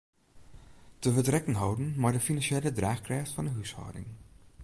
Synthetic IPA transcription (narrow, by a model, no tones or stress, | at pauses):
təʋətrɛkənɦɔwdənmaːɹdəfinɑnʃeːlədraːχkrɛjχtfɑnəɦyshɔ̰wdɪ̰ŋ